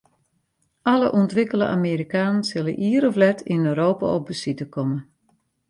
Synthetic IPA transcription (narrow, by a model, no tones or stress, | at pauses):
ʔaləʔɔntʋɪkəlˠə̰ʔa̰miːɾikaːnənsɪləʔiəɾɔflɛtʰinøːɾoːpa̰ɔp̚bəsitəkɔmən